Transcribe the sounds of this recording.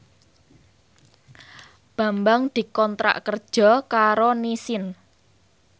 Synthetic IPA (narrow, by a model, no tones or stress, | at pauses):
b̥a̤mbaŋd̪̥i̤kɔnt̪ɾa̰ʔkərd̥ʒ̥ɔ̤kaɾonisɪn